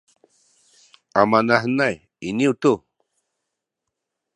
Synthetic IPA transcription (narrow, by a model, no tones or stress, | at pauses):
amanahnaj | iniwt̪u